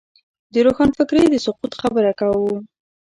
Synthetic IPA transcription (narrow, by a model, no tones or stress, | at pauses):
d̪əɾoxɑnfɪkɾed̪əsʊqut̪xabəɾakawu